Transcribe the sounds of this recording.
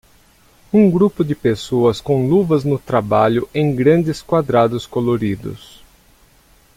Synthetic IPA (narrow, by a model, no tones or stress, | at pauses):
ũŋɡɾupʊd̪ɪpesoɐskõluvɐznʊt̪ɾabaʎʊʔẽj̃ɡɾɐ̃nd̪ɪskwad̪ɾad̪ʊskoloɾid̪ʊ̰s